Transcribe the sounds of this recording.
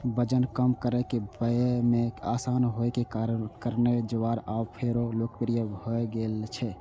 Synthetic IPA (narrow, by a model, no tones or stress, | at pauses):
bəd͡ʒənkəmkəɾɛkebəemẽasanɦoekekaɾənkəɾned͡ʒəʋaɾabpʰeɾolokpɾijəbʱɦoeɡelt͡ʃʰɛ